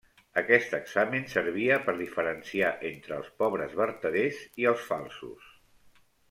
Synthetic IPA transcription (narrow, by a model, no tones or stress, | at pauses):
əkɛst̪əɡz̥amənsəɾβ̞iəpəɾðifəɾənsiaʔent̪ɾəːlˠspɔβɾəzβəɾt̪əðeziəlˠsfalˠsṵs